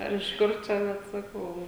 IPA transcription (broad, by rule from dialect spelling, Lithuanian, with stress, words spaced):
ˈɐr ɪʃ ˈkʊr t͡ʃʲɛ ʋɐt sɐˈkɐʊ